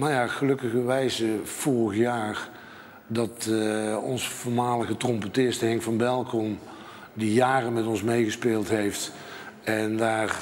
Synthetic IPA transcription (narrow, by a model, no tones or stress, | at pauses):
majaχəlɵkəɣəʋɛjzəv̥ɔɹəχjaːr | dɑt | ɔnsəfʊːɹmaːləɣətrɔmpətɪsthɛŋvɑnbɛlˠkɔm | dijaːrəmɛtɔnsmejχəspeːlˠtɦejft | ɛndaːr